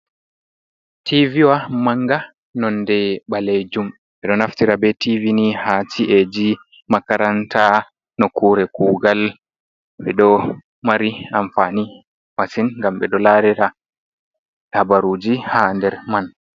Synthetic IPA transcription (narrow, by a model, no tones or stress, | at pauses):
tʰiviwamaŋɡa | nɔndɛɓaled͡ʒum | ɓɛɗɔnaftiɾabɛtivinihaːt͡ʃiʔed͡ʒi | makaɾantʰa | nɔkuːɾɛkuːɡal | ɓɛɗɔ | maɾiamfani | wasinŋɡamɓɛ̰ɗɔlaːɾɛɾa | tabaɾud͡ʒihandɛɾman